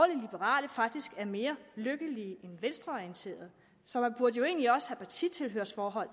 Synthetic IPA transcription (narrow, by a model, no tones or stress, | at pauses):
ɒlilib̥əʁɑ̰̈ːləfɑ̈ɡ̥̚d̥isɡ̥æɐme̝ːɐløɡ̥əliːʔenʋensd̥ʁɐɒiənt͡sʰe̝̰ːɐð̞̩ˠ | sɒ̽b̥uɐd̥əjo̝e̝̰ːnliɒ̽səhæpʰɑ̈t͡sʰḭt͡sʰe̝lɦøɐsfɒːɦɒ̽l̰